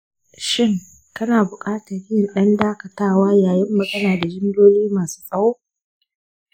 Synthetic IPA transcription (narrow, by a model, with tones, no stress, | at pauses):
ʃɪ˦ŋ | kɐ˦naː˨bʊ˨kʼaː˦tɐ˨ɾɪ˦jɪ˨nɗɐ˦ndaː˦kɐ˨taː˦waː˦jaː˨jɪ˦mːɐ˨ɡɐ˦naː˨da˨d͡ʒɪ˦ndoː˦liː˦maː˨su̥ː˦sʼɐ˦woː˦